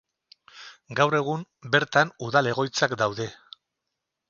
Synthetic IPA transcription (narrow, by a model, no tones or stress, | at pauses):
ɡawre̞ɣ̞um | be̞ɾt̪anuðale̞ɣ̞o̞jt͡sakd̪awðe̞